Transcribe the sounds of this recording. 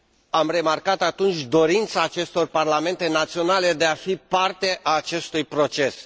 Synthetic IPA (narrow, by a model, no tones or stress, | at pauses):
amre̞markat̪at̪unt͡ʃʲd̪o̞ɾint̪saːt͡ʃe̞st̪o̞rparlame̞nt̪e̞nat̪sio̞nale̞d̪e̞afipart̪e̞ʔaːt͡ʃe̞st̪ujpɾo̞t͡ʃe̞s